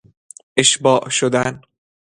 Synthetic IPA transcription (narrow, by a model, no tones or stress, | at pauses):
ʔeʃbɒːʔʃod̪æn